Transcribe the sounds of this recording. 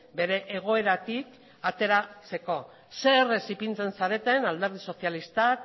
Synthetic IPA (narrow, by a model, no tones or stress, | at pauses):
be̞ɾe̞ʔeɣ̞o̞e̞ɾat̪ik | at̪e̞ɾat͡se̞ko̞ | seresipint͡se̞nsaɾe̞t̪e̞nald̪e̞ɾð̞iso̞sjalist̪ak